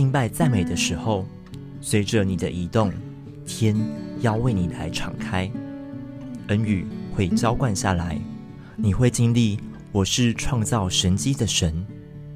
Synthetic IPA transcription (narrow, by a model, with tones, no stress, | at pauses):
t͡ɕi˥˧ŋpa˥˧ɪt͡sa˥˩ɪme˨˩d̪ə˨ʂɻ̩˧˦xo˥˨ʊ | swe˨˥ɪʈ͡ʂə˨ni˨˩d̪ə˦ʔi˨˦t̪ʊ˥˨ŋ | t̪ʰjɛ˦njɑ˥˧ʊwe˥˩ɪni˨˩la˧˦ɪʈ͡ʂʰɑ̰˨˩ŋkʰa˥ɪ | ə˧˥ny˨˩xwe˥˩ɪt͡ɕjɑ˥˦ʊkwa˥˧nɕja̰˥˨la˧˦ɪ | ni˨˩xwe˥˩ɪt͡ɕi˥ŋli˥˩ | wɔ˨˩ʂɻ̩˥˧ʈ͡ʂʰwɑ˥˧ŋt͡sɑ˥˩ʊʂə˧˦nt͡ɕi˦d̪ə˨ʂə˧˦n